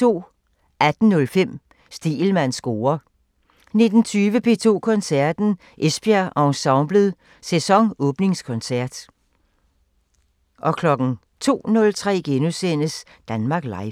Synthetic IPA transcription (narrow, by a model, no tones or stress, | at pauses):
t͡sʰo̝̰ː | ʔæd̥n̩ːɔ̽lfem̰ | sd̥ḭːlmæn̰sɡ̥o̝ːɐ | ne̝d̥n̩t͡sʰyːʋəpʰe̝ːt͡sʰo̝̰ːkʰɒ̽nsæɐd̥n̩ | ʔesb̥iæʔɑ̈ʊsɑ̈ʊmb̥ləðˠ | sesɒ̽ŋɔ̽ːb̥ne̝ŋskʰɒ̽nsæɐ̰d̥ | ʔɒ̽kʰlɒ̽ɡ̥n̩ | t͡sʰo̝̰ːnɔ̽lt͡sʰʁɛ̰ːɡ̥enusen̰əs | d̥ænmɑ̈ːɡ̥lɑ̈ɪ